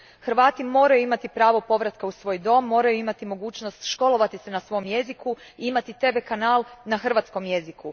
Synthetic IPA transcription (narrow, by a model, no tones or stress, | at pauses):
xrʋaːt̪imo̞ːɾajuimat̪ipɾaːʋo̞po̞ʋɾat̪kausʋo̞ːjd̪o̞mːo̞ːɾajuimat̪imo̞ɡuːt͡ʃnost̪ʃko̞lo̞ʋat̪isenasʋo̞jmje̞ziku | iimat̪it̪e̞ʋekanaːlˠnaxr̩ʋaːt̪sko̞mje̞ziku